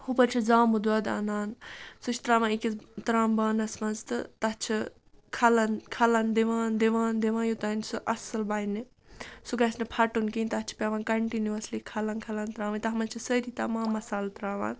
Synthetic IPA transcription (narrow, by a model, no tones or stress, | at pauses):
hupɐɾt͡ʃʰizaːmud̪ɐd̪a̰naːnsut͡ʃʰt̪ɾaːʋãːikʲit̪ɾaːmbaːnɐsmɐnzt̪ɨt̪ɐt͡ʃʰi | kʰɐlɐnkʰɐlɐnd̪iʋaːnd̪eʋaːnd̪eʋãːjut̪ɐnsuʔɐsɐlbaːini | suɡɐsnɐpʰɐʈunkinʲt̪ɐt͡ʃʰi̥pʲaʋaːnkɐɳʈinuʋɐslikʰɐlɐnkʰɐlɐnt̪ɾaːʋɐnʲt̪ɐɦɐmɐnt͡ʃʰisəɾit̪ɐmãːmːɐsaːlt̪ɾaːʋa̰ːn